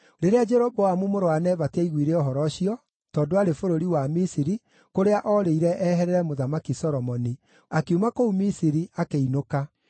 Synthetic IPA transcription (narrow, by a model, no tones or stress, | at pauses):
ɾeɾead͡ʒɛɾɔbɔamumoɾoanɛvataiɣwiɾeɔɦɔɾɔɕiɔ | tɔːndoaɾefoɾoɾiwamisiɾi | koɾeaʔɔɾeiɾɛʔɛɦɛɾɛɾɛmoðamakisɔɾɔmɔni | akeumakoumisiɾiakeinoka